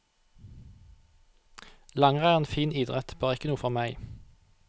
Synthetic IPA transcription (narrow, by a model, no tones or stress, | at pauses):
lɑŋʁæːʁɛnfiːnɪːd̪ʁɛt̪b̥øːʁɪkənuːfɔʁmæɪ